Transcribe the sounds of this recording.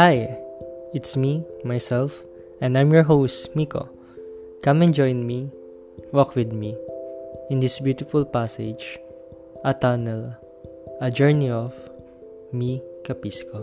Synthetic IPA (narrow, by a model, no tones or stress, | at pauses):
haj | ɪt̪smimajsɛlf | ɛ̃ndãj̃mjɔɹɦoʊsmiko̰ | kʌ̃mɛ̃nd͡ʒɔ̃j̃nmi | wɔkwɪd̪̚mi | ɪ̃nd̪ɪsbjut̪ɪfʊlpased͡ʒ | ʔat̪anɛl | ɐd͡ʒɛɹniɔv | mikapisko